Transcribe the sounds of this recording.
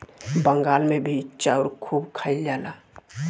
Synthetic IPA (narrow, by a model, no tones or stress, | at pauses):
bə̃ŋɡaːlmẽbʱiɪtːʃaɔːɾkʰuːbkʰaɪld͡ʒaːlaː